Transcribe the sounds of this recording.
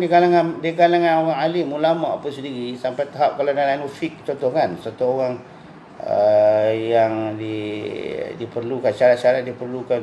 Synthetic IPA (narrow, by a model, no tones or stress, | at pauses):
dikalaŋandikalaŋanoɣaŋalimulamapasədiɣisampajt̪aɦap̚kalanalanufik̚t͡ʃɔnt̪ɔhkansat̪uoɣaŋ | ə̰jaŋdi | dipərlukansaɾat̪̚t͡ʃaɾat̪̚dipərlukan